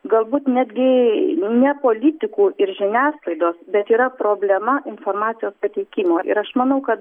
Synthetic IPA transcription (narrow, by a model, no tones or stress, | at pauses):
ɡɐlˠbuːt̪nʲæːd̪ʲɡʲɪnʲɛpoːlʲɪt̪ʲɪkuːʔɪɾʒʲɪnʲæːslˠɐɪd̪oːsbʲɛt̪iːɾɐpɾoːbʲlʲɛmɐʔɪnfoːrmɑːt͡s̪ʲɪjoːspɐt̪ʲɛɪkʲiːmoːʔɪ̰ɾɐʃmɐnɐʊkɐt̪